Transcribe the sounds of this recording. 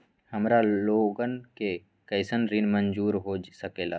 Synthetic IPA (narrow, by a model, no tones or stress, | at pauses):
həmɾaloːɡənke | kəɪsənɾinmənd͡ʒuːɾɦoːsəkeːla̰ː